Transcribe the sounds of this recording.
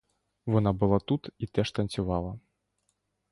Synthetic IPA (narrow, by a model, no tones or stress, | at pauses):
vɔnabɨlˠat̪ut̪it̪ɛʂt̪ɐnʲt͡sʲuvalˠɐ